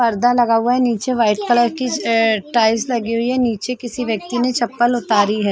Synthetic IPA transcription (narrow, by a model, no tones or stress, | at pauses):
pɐɾd̪alɐɡaɦʊaɦɛniːt͡ʃeʋaːɪʈkələɾkiʈaːɪslɐɡiɦʊiɦɛniːt͡ʃekɪsiʋjɐk̚t̪inet͡ʃɐpːəlʊt̪aːɾiɦɛː